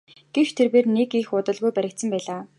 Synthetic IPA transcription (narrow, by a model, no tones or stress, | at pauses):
ɡ̥ewt͡ɕt̪ʰerpeːrnekixʊt̪ə̆ɮɣujpæɾʲɪ̆k̚t̪sə̆mpæːɮaː